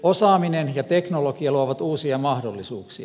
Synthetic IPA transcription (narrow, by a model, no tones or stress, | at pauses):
osɑːminenjɑt̪eknolokiɑluɑʋɑt̪uːsiɑmɑhdolːisuːksiɑ